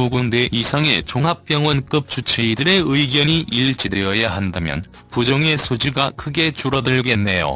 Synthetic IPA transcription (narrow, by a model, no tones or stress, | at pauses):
uɡunde̞ʔisʰaŋe̞t͡ɕoŋɦap̚p͈jʌŋwʌnk͈ɯp̚t͡ɕ͈ʰut͡ɕʰeidɯɾe̞ɯiɡjʌɲiʔiɭt͡ɕidejʌjaɦandamjʌ̰n | pud͡ʑʌŋe̞sʰod͡ʑiɡakʰɯɡe̞t͡ɕuɾʌdɯɭɡe̞nːe̞jo̰